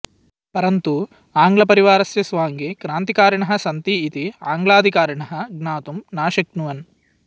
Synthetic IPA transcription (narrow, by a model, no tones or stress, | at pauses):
pɐɾɐnt̪u | aːŋɡlɐpɐɾiʋaːɾɐsjɐsʋaːŋɡekɾaːnt̪ikaːɾɐɳɐɦɐ̆sɐnt̪iːt̪iaːŋɡlaːd̪ʱikaːɾɐɳɐɦɐ̆ɡnaːt̪umnaːʃɐknuʋɐn